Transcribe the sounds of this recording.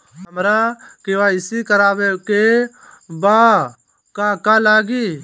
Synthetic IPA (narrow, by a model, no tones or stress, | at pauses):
ɦəmɾaːkeʋaːɪsikəɾaːʋeːke | baː | kaːkaːlaːɡiː